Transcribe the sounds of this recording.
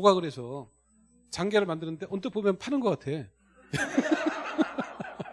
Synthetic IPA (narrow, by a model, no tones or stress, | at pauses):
oɡaɡɯɾe̞sʰʌ | t͡ɕaŋɡe̞ɾɯɭmandɯnɯnde̞ʔʌnt͈ɯpomjʌnpʰanɯnɡʌk͈atʰe̞